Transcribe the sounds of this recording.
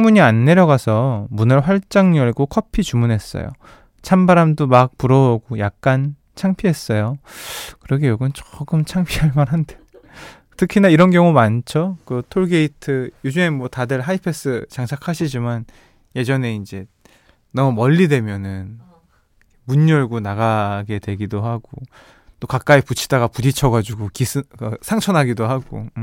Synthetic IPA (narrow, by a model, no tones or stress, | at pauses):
t͡ɕŋmuɲianːe̞ɾjʌɡasʰʌmunɯɭɸwaɭt͡ɕ͈aŋɲʌɭɡokʰʌpʰit͡ɕumunɦe̞s͈ʌ̰jo̰ | t͡ɕʰambaɾamdomak̚puɾʌoɡojak̚k͈an | t͡ɕʰaŋpʰiɦe̞s͈ʌjokɯɾʌɡejoɡɯnt͡ɕɡɯmt͡ɕʰaŋpʰiaɭmaɾɦande | tʰɯkʰinaiɾʌnɡjʌŋumant͡ɕʰokɯtʰoɭɡe̞itʰɯjod͡ʑuŋe̞mwʌtadɯɭɦaipʰe̞s͈ɯt͡ɕaŋsʰakʰaɕʰid͡ʑiman | je̞d͡ʑʌne̞ind͡ʑe̞ | nʌmumʌʎːidwe̞mjʌnɯn | muɲːʌɭɡonaɡaɡe̞dwe̞ɡidoɦaɡo | t͈okak͈aiput͡ɕʰi̥daɡapudit͡ɕʰʌɡad͡ʑuɡokisʰɯkɯsʰaŋt͡ɕʰʌnɦaɡidoɦaɡo̰